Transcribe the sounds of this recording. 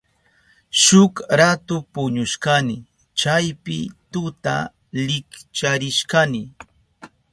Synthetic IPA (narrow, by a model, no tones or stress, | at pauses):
ʃʊkɾat̪ʊpʊɲʊʃkanɪ | t͡ʃajpɪ̰t̪ʊt̪a̰ | lɪkt͡ʃaɾɪʃkanɪ